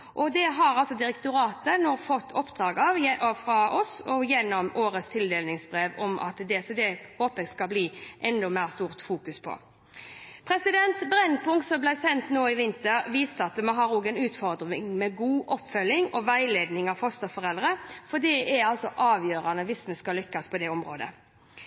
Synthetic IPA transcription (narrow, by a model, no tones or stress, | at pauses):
ʔɔd̪ɛɦɑɾɑlsɔd̪ɪɾɛkt̪ʊɾɑːt̪ənoːfɔt̪ːɔpd̪ʁɑːɡɑʋjɛɔfɾɑʔɔsɔjɛnːɔmoːɾəst̪ʰɪld̪eːlnɪŋsbɾeːʋɔmʔɑ̰t̪d̪ɛsd̪ɛhoːpəskɑbliːʔɛnd̪ɔmæɪʁst̪uːʁt̪fuːkʉspʰɔ̰ | pʰɾɛsɪd̪ɛnt̪bɾɛnpʊŋkt̪sɔmblæɪsɛnt̪noːɪʋɪnt̪əɾʋiːst̪ɑt̪mɛɦɑɾuːɡɛnʉːt̪fɔʁd̪ɾnɪŋmɛɡuːʔɔpːfœlːɪŋɔʋæɪleːd̪nɪŋɑʋfɔst̪əfɔʁɛlɾəfɔd̪iːɛɑlsɔʔɑːʋjøːɾɑnəʋɪsmɛskɑlʏkːɑspʰɔd̪ɛɔmɾo̰ːd̪ə̰